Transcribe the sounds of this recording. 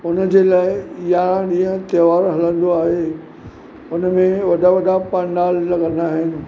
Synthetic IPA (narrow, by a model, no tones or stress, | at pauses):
ʊnəd͡ʑeːlaːɪɪjaɗĩːɦə̃t̪eːʋaːɾɦɐlə̃nd̪oaːɦe | ʊnəmẽʋɐɗaʋɐɗapãɳɖaːlːɐɡə̃nd̪aːɦɪnɪ̆